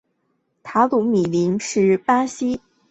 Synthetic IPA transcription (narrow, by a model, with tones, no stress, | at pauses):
t̪ʰa˧˥lu˧˥mi˨˩li˧˥nʂɻ̩˥˩pa˥ɕi˥